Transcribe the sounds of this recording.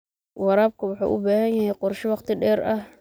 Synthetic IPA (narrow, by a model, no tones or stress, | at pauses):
wɑɾaːb̚kʰɐwɑħṵːʔʊbaːhɐnjɐhɛjqʊrʃɪwɑqt̪ɪɖɛːɾɐh